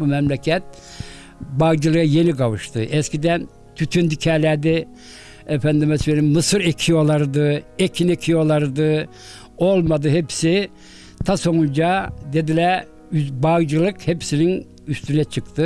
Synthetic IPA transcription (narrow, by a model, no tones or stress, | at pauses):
bumɛmlʲɛcʰɛt̪̚ | baɣd͡ʒɯlˠɯjaje̞niɡavɯʃt̪ʰɯʔɛscʲid̪æn | t̪ʰyt̪ʰynd̪icʰɛːlʲæd̪ɛ | ɛfænd̪imɛsfenimmɯsɯɾecʰio̞lˠaɾɯd̪ɯecʰinecʰio̞lˠaɾɯd̪ɯ | o̞lˠmad̪ɯɦepsi | t̪ʰaso̞nund͡ʒad̪e̞d̪ilʲæɾ | ybaɣd͡ʒɯlˠɯkhepsinin | yst̪ynɛt͡ʃʰɯkt̪ʰɯ